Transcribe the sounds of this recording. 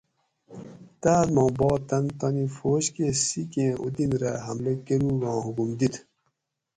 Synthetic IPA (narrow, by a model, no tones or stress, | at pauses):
t̪aːt̪mɑ̃ːbɔːt̪ɐnt̪ɐnifoːɕkesikẽːṵd̪inɾaɦɐmlekeɾuɡɑ̃ːɦukumd̪it̪